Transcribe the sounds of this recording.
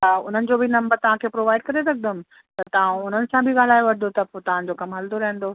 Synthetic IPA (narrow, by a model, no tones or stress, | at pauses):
aʊn̤ənɪ̆d͡ʑobʱɪnɐ̃mbəɾt̪ɐʋ̤ãkʰeːpɾoːʋaːɪɖ̚kɐɾesɐk̚ʰd̪əmɪ̆ | t̪ɐt̪ɐʋ̤ãʊn̤ənɪ̆sãbʱɪɠaːl̤aːjoʋɐɾɪd̪ot̪ɐpot̪ɐʋ̤ãd͡ʑokɐmɦɐld̪oɾɐɦɪ̃ə̃n̆d̪oː